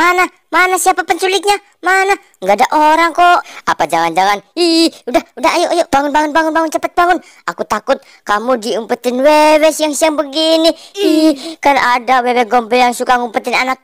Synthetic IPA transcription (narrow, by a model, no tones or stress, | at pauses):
mana | manasiapapənsulɪt̪̚ɲa | mana | ŋɡadaʔoɾaŋkɔapad͡ʒaŋand͡ʒaŋaniudahudaɦajoʔajoʔbaŋʊnbaŋʊnbaŋʊnbaŋʊnt͡ʃapət̪̚baŋʊn | akut̪akʊt̪̚ | kamudiumpət̪ɪnwewɛsjaŋsjaŋbəɡiniikanadawewɛɡɔmbɛjaŋsukaŋumpət̪ɪnanak̚